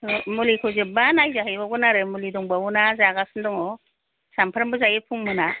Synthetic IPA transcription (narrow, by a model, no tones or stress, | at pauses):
mulikʰɔzebanajzahɯjbaɡɔnaɾɯmulidɔŋbaunazaɡasɯndɔŋɔ | sampʰaɾmbɯzajepʰuŋmɯna